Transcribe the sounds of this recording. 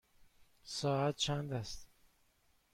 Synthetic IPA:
sɒːæt̪̚t͡ʃʰænd̪æst̪

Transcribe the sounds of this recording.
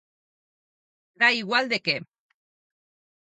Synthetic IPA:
d̪aiɣwald̪eke

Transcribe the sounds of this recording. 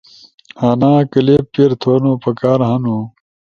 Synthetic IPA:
haːnaːkɐleːppːeɾt̪ʰoːnoːpɐkaːɾɦɐnuː

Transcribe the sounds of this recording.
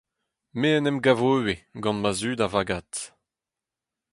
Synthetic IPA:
meənɛmɡavoweɡɑ̃nmazyːdavaɡat̪

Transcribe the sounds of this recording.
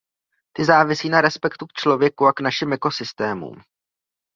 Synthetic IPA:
t̪ɪzaːvɪsiːnaɾɛspɛkt̪uk̚t͡ʃlo̞vjɛkuaknaʃɪmʔɛko̞sɪst̪ɛːmṵːm

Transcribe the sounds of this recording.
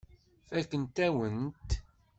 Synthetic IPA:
fækːənt̪æwənt̪

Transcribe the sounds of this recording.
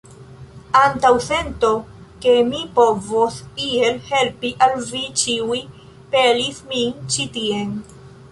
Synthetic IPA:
antawse̞ntoke̞mipo̞vosie̞lhe̞lpiʔalvit͡ʃiuj | pelismint͡ʃitie̞n

